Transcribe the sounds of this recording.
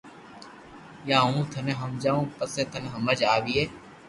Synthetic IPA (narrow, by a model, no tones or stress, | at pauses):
jaːɦũːt̪ʰənẽːɦəmd͡ʒaːũːpəseːt̪ʰəneɦəməd͡ʒaːʋiːeː